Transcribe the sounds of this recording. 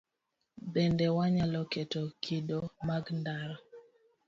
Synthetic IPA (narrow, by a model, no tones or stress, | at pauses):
bendewaɲalɔketokʰidomaɡndaɾɔ